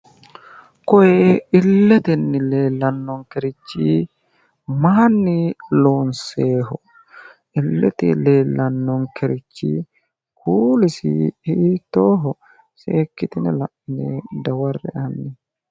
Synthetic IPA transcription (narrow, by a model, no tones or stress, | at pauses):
kɔjɛɪlːɛt̪ɛnːɪleːlːɐnːɔŋkɛɾɪt͡ʃːiː | maːnːɪloːnseːɦɔ | ʔɪlːɛ̰t̪ɪ̰leːlːɐnːɔŋkɛɾɪt͡ʃːḭː | kʰuːlɪsɪ̰hiːt̪ːoːɦɔ | seːkːɪt̪ɪnɛlɐʔɪneːd̪ɐwɐrːɛ̰ʔɐnːɪ